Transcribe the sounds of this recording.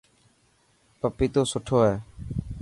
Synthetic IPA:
pəpiːt̪oːsʊʈʰoːɦɛː

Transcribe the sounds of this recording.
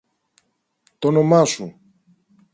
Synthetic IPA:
t̪onomɐsu

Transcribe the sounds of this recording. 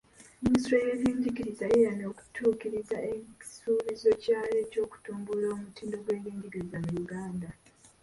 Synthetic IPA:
miswejeβiːɲɟiɡiɾizajejano̞ːku̥tʰuːkiɾizaeci̥suːβizo̞caːle̞co̞ːku̥tuːmbuloomutiːndo̞ɡwe̞ːliːɲɟiɡiɾizamujuɡaːnda

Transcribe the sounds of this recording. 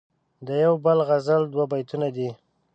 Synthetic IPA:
d̪əjawbəlɣazəld̪wabajt̪unad̪i

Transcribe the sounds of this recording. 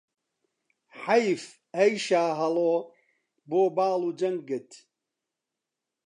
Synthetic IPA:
ħajf | ɐjʃaːɦɐloː | boːbaːluːd͡ʒɐŋɡ̚ːɨt̪

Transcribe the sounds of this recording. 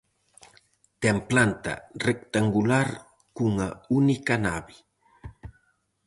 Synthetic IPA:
t̪emplant̪a̰rekt̪aŋɡulaɾ | kuŋaunikanabi

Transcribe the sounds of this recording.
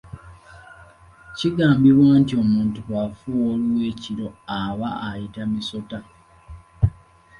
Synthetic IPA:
ciɡaːmbiβwaːntio̞muːntuβafuwoluwe̞ːciɾo̞aβaːjitamiso̞ta

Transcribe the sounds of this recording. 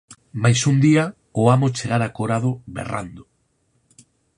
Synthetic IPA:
majsund̪iɐ | oamot͡ʃeɣaɾakoɾaðʊβḛra̰nd̪ʊ

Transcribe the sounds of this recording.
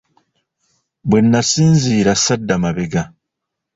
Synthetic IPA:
bwe̞nːasiːnziːɾasadːamaβe̞ɡa

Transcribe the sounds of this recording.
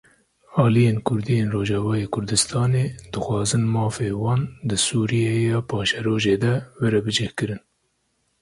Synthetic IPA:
ɑːlijeːnkʰʊɾd̪ijeːnroːʒɑːvɑːjeːkʰʊɾd̪ɨst̪ʰɑːneːd̪̥ɨxwɑːzɨnmɑːfeːwɑːnd̪ɨsuːɾijejɑːpʰɑːʃɛɾoːʒeːd̪ɛwɛɾɛbɨd͡ʒɛhkɨɾɨn

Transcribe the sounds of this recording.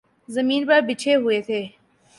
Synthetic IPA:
zɐmiːnbɐɾbɪt͡ʃʰeɦʊeːt̪ʰeː

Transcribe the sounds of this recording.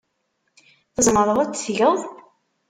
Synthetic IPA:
θəzˤməɾˤəðˤæt͡sːθʝəðˤ

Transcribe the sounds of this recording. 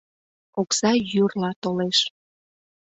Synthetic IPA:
oksɑjyrlɑt̪oleʃ

